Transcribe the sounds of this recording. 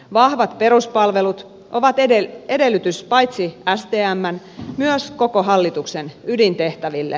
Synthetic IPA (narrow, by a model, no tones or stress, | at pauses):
ʋɑhʋɑt̪pe̞ɾuspɑlʋe̞lut̪ | ʔoʋɑt̪eee̞delːˑyt̪yspɑjt̪siæst̪eːæmːæn | myøskokoɦɑlːit̪uksenydint̪e̞ht̪æʋilːḛ